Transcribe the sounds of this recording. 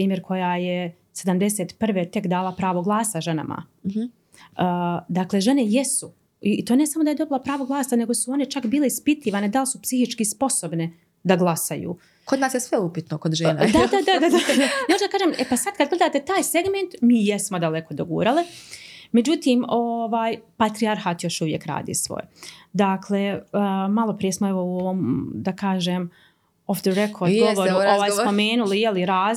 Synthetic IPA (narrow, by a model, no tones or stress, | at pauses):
pɾiːmjeɾkʰo̞jaːje | se̞d̪amd̪e̞set̪pr̩ʋe̞ːt̪e̞kd̪aːlˠapɾaːʋo̞ɡlˠaːsaʒe̞na̰ma̰ | əd̪akle̞ʒe̞ne̞jesu | it̪oːne̞samo̞d̪aje̞d̪o̞bilˠapɾaːʋoɡlˠaːsane̞ɡo̞suo̞ne̞t͡ʃakbiːle̞ispit̪iːʋaːned̪alsupsihit͡ʃkispo̞so̞bne̞ | d̪aɡlˠasajṵː | kod̪naːsjesʋeupit̪nokod̪ʒeːna̰d̪ad̪ad̪aad̪aemoʒd̪akaːʒemepasad̪̚kad̪̚ɡled̪aːt̪e̞t̪aːjseɡment̪miːjesmo̞d̪aleko̞d̪oɡṵːɾalime̞d͡ʑut̪iːmo̞ʋaːjpat̪ɾiaɾxaːt̪jo̞ʃuʋjekɾa̰ːd̪ḭːsʋo̰jd̪akʰlemalo̞pɾije̞smoeʋo̞uoʋomd̪akaːʒem | ofd̪əɾekʰord̪ɡoloɾuoʋaːjspo̞meːnulijeliɾaːz